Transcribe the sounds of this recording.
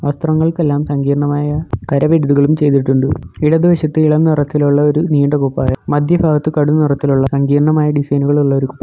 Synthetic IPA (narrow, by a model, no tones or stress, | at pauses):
ʋɐst̪rɐŋːɐɭke̞lːaːmsɐŋɡiːɾɐɳɐmaːjɐkɐɾɐʋeɾuðuɣɐɭumt͡ɕe̞jt̪̬iʈːuɳɖɨiɽɐd̪ʋɐɕɐt̪ːɨiɭɐmnirɐt̪ːiluɭːɐo̞ɾuniːɳɖɐkupːa̰ːjɐmɐd̪ʱjɐbʱaːɡɐt̪ːɨkɐɽunirɐt̪ːiluɭːɐsɐŋɡiːɾɐɳɐmaːjɐɖisɐjnuɣɐɭuɭːɐo̞ɾukupːɐ